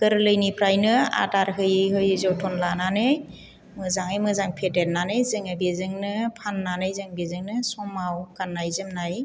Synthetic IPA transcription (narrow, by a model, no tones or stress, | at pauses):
ɡ̥ɯɾlɯjnipʰɾajnɯa̰daɾɦɯjɦɯjzɔwtʰɔnlananɯj | mɯzaŋɯjmɯzaŋpʰetet̚nanɯjzɯŋabezɯŋnɯpʰanːanɯjzɯŋbezɯŋnɯsɔmawkanːajzɯmnaj